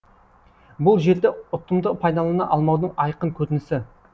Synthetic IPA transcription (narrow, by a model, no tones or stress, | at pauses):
bʊlˠʒe̞ɾd̪ɪʊt̪ːəmd̪əpʰɑjd̪ɑlˠɑnɑʔɑlˠmɑwd̪əɴɑjqəɴkʲʰɵt̪ɪnɪsɪ